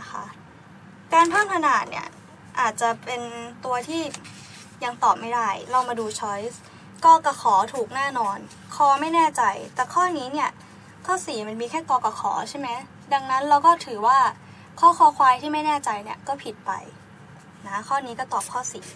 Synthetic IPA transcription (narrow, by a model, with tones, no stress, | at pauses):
na˦kʰa˦˥ | kaː˧nt̪ʰaː˥˩ŋkʰa˧naː˨˩t̪̚nḭ˥˩ɐ | ʔaː˨˩t̪̚t͡ɕa˨˩pe˧nt̪u˧ɐt̪ʰiː˥˩ | ja˧ŋt̪ɔː˨˩p̚ma˥˩jda˥˩jɾa˧wmaː˧duː˧t͡ɕʰɔ˦˥js | kɔː˧ka˧˩kʰɔː˩˦t̪ʰuː˨˩k̚nɛː˥˩nɔː˧n | kʰɔː˧˩ma˥˩jnɛː˥˩t͡ɕa˧jt̪ɛː˨˩kʰɔː˥˩niː˦˥ni˥˩ɐ | kʰɔː˥˩siː˨˩˦ma˧nmiː˧kʰɛː˥˩kɔː˧ka˧˩xʰɔ̰ː˩˦t͡ɕʰa˥˩jma˦˥j | da˧ŋna˦˥nɾa˧wkɔː˥˩t̪ʰɯː˩˦waː˥˩ | kʰɔː˥˩kʰɔː˧˩kʰwaː˧jt̪ʰiː˥˩ma˥˩jnɛː˥˩t͡ɕa˧jni˥˩ɐkɔː˥˩pʰi˨˩t̪̚pa̰˧j | na˦˥kʰɔː˥˩niː˦˥kɔː˥˩t̪ɔː˨˩p̚kʰɔː˥˩sḭː˩˦